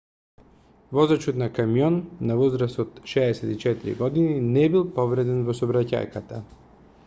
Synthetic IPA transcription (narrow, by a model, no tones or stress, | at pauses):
vɔzɾat͡ʃot̪nakamijɔnːavɔzɾast̪ɔt̪ʃɛːsɛt̪it͡ʃɛt̪iɾḭɡɔd̪ininɛbilˠpɔvɾɛd̪ɛnvɔsɔbɾaca̰jkat̪a